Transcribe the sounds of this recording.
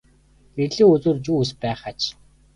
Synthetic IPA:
ɡ̥erɮiːɵt͡soːrt͡ɕuːuspæːχat͡ɕ

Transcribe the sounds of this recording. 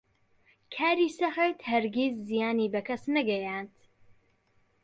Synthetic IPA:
kʰaːɾiːsɐxeːt̪hɐɾɡʲizːijaːniːbɐkʰɐsnɐɡɐjaːnt̪

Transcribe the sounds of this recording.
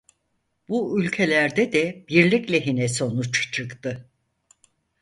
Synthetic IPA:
buylʲcʰe̞lʲæɾd̪ɛd̪ɛb̥iɾlʲiclʲɛɦinɛso̞nut͡ʃt͡ʃʰɯkt̪ɯ

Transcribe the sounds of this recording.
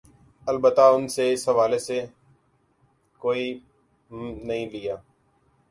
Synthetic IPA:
ɐlbət̪aʊnseɪsɦɐʋaːlese | koːi | nɐɦĩlɪjaː

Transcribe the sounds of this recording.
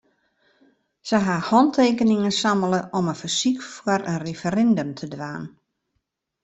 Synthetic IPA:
səɦahɔntʰeːkənɪŋənsamələʔɔmənfərsikfwəɾənrefəɾɛndømtʰədʋaːn

